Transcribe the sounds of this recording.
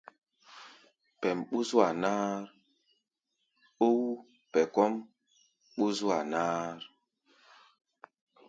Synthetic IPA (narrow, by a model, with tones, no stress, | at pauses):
pɛ˨mɓu˦zu˦a˨naː˦ɾ | o˦w | pɛ˨kɔ˦m | ɓu˦zwa˨naː˦ɾ